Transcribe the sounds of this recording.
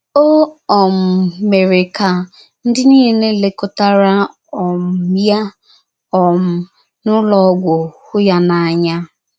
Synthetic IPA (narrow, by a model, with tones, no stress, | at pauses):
o˦ɔ˨m̩˨me˨ɾe˨ka˨ | n̩˦dɪ˦ni˦ɦi˨ne˦le˨kʊ˦ta˦ɾa˦ | ɔ˨m̩˨˦ja˦ | ɔ˨m̩˨ | nʊ˦lɔ˨˦ɡʷo˨hʊ˦ja˦na˨a˨ɲa˦